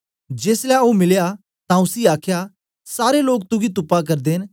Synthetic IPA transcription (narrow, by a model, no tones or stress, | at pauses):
d͡ʒeːslɛomɪlja | t̪ãʊsiaːkʰja | saːɾeloːk̚t̪ʊɡit̪ʊpːak̬ɐɾd̪eːn